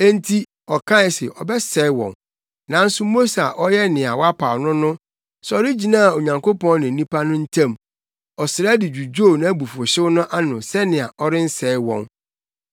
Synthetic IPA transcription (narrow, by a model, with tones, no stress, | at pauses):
ɛ˦n˦tʰi˦ | ɔ˨kʰã˦ɪ˨sɪ˨ʔɔ˨bɛ˦sɛ˦wɔ̰̃˨n | nã˨˦n̩˦sʊ˦mo˦sa˨ʔɔ˦jɛ˦nɪ̃˨a˨wɔ˦a˦pʰa˨wnʊ̃˦nʊ̃˦ | sɔ˨ɾɪ˦d͡ʑi˨nã˦˨o˨ɲã˨ŋkʰo˦pɔ̃˦nɪ̃˨˦nĩ˦pʰa˦nʊ̃˦n̩˦tʰã˦˨m | ɔ˨sɪ˨ɾa˦dɪ˨d͡ʑᶣu˨d͡ʑo˦˨nã˦bu˨fo˨ɕɪ˦wʊ˦nʊ̃˦ʔa˦nʊ̃˨sɛ˦nɪ̃˨a˨ʔɔ˦ɾɪ˦n̩˦sɛː˨˦wɔ̰̃˨n